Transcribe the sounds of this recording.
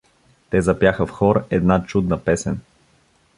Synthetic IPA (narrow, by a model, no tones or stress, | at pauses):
t̪ɛzɐpjaxəfxɔɾɛd̪nat͡ʃud̪nəpɛsɛn